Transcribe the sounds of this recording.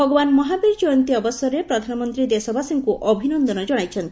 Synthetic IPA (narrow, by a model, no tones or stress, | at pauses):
bʱɔɡɔbanmɔɦabiɾd͡ʒɔjɔnt̪iɔbɔsɔɾepɾɔd̪ʱanɔmɔnt̪ɾid̪esɔbʱasiŋkuʔɔbʱinɔnd̪ɔnɔd͡ʒɔɽ̃ajt͡ʃʰɔnt̪i